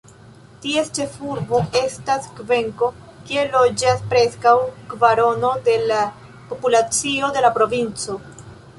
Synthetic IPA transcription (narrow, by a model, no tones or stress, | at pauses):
tie̞st͡ʃe̞fuɾbo̞e̞staskve̞ŋko̞ | kie̞lo̞d͡ʒaspɾe̞skawkvaɾo̞no̞de̞la | po̞pulat͡sio̞de̞lapɾo̞vint͡so̞